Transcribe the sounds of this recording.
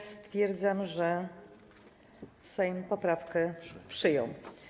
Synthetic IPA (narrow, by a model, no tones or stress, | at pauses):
st̪fʲjɛɾd̪zamʐɛ | sɛjmpɔpɾafkɛpʂɘjɔ̰̃w̃